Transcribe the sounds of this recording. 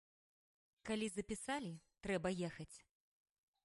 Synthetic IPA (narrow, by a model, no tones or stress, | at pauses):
kalʲizɐpʲisalʲit̪ɾɛbɐjɛxɐt͡sʲ